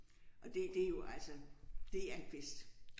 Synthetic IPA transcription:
ʔɒ̽d̥e̝d̥e̝jo̝ʔælsɒd̥e̝æɐed̥̚b̥esd̥

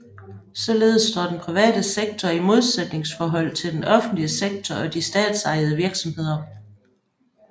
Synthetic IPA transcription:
sɒ̽le̝ːð̞̩ˠəsd̥ɒ̰ːd̥enpʰʁiʋɛ̰ːd̥əseɡ̥̚t͡sʰɒimo̝ð̞ˠsed̥ne̝ŋsfɒːɦɒ̽l̰t͡sʰe̝ld̥enɒ̽fn̩d̥liəseɡ̥̚t͡sʰɒɒ̽d̥isd̥ɛ̰ːd̥sɑ̈ɪð̞̩ˠəʋiɐɡ̥sɒ̽mhe̝ð̞̰ˠɐ

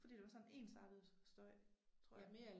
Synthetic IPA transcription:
fɒ̽dḭːd̥e̝ʋɑ̈sɒ̽nne̝̰ːnsɑ̈d̥ð̩ˠsd̥ɔɐt͡sʰʁo̰ɐje

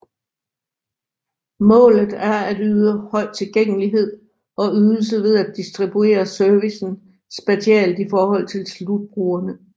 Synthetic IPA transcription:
mɔ̰̽ːlð̩ˠæɐæd̥yːðˠəhɒ̽ɪ̰t͡sʰe̝lɡ̥eŋ̰əliɦe̝ð̞̰ˠ | ɒ̽yðˠl̩s̬əʋe̝ð̞ˠæd̥̚isd̥ʁib̥ue̝̰ːɐsœɐʋisn̩ | sb̥æɕiɛ̰ld̥ifɒːhɒ̽l̰t͡sʰe̝lslud̥̚b̥ʁuːɐnə

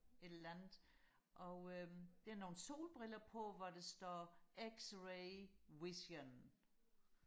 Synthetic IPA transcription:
e̝d̥ɐlænð̩ˠ | ʔɒ̽ød̥e̝æɐno̝ːn̩so̝̰ːlb̥ʁilɐpʰɒ̽ʋɒd̥esd̥ɒːeɡ̥sʁeɪwisɐn

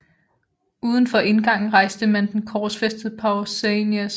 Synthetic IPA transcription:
ʔuːð̞ˠən̩fɒ̽ʔe̝nɡ̥ɑ̈ŋ̰n̩ʁɑ̈ɪsd̥əmænd̥enkʰɒ̥ːsfesd̥əð̩ˠpʰɑ̈ʊlsenæs

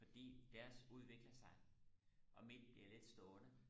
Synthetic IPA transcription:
fɒ̽d̥ḭːd̥æɐsuð̞ˠʋe̝ɡ̥lɐsɑ̈ɪ | ʔɒ̽min̰b̥liɐle̝d̥sd̥ɔːnə

